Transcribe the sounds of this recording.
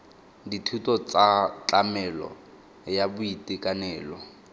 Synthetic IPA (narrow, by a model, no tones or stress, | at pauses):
ditʰutɔt͡sat͡ɬamɛlɔ̰ | jabʊitʼikʼanɛːlɔ